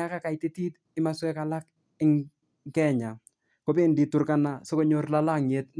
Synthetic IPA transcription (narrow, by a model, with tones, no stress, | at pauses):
a˦ka˦ka˨jti˦ti˦t | ɪ˦ma˦swɛ˦ka˨la˦k̚ | ɪ˦ŋ | kɛ˦ɲa˨ | ko˦be˦ndi˨tʊ˨ɾka˨na˨so˦ko˦ɲo˦rla˦la˦˨ŋe˨t̚